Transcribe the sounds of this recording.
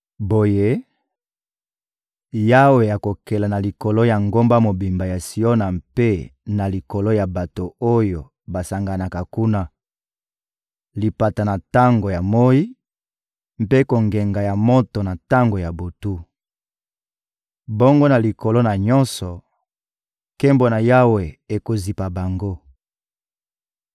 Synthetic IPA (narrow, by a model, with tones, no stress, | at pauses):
bo˨je˦ | ja˦we˨ja˨ko˨kɛ˨la˨na˨li˨ko˨lo˦ja˨ŋɡo˦mba˦mo˨bi˨mba˨ja˨si˦o˦na˨mpe˦na˨li˨ko˨lo˦ja˨ba˨to˨o˦jo˨ | ba˨sa˨ŋɡa˨na˨ka˨ku˦na˦ | li˨pa˨ta˨na˨ta˦ŋɡo˨ja˨mo˦i˦ | m̩˦pe˦ko˨ŋɡe˨ŋɡa˨ja˨mo˦to˨na˨ta˦ŋɡo˨ja˨bo˨tu˦ | bo˦ŋɡo˦na˨li˨ko˨lo˦na˨ɲɔ˦nsɔ˨ | kɛ˦mbo˨na˨ja˦we˨e˨ko˨zi˨pa˨ba˨ŋɡo˦